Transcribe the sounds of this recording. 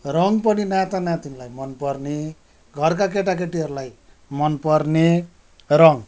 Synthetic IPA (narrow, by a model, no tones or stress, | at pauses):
rʌŋɡp̬ʌninat̪anãt̪inlajmʌnpʌrne | ɡʱʌrk̬ak̬eʈ̬ak̬eʈiɦʌɾulaj | mʌnpʌrne | ɾʌŋ